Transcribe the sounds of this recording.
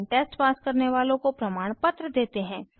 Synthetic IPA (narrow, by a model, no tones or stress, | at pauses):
ʈɛːsʈpaːskɐɾneʋaːlõkopɾɐmaːɽ̃pɐt̪ɾəd̪eːt̪eɦɛ̃ː